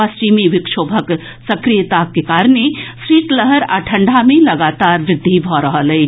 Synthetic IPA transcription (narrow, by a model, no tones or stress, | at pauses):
ast͡ʃiːmiʋɪkʃoːbʱək | sɐkɾijt̪akːekaːɾnesɾiːʈləɦəɾa̰ʈʰə̃ɳɖʱamẽlɐɡaːt̪aːɾʋɾɪd̪ʱːibʱɔɾəɦəlɛː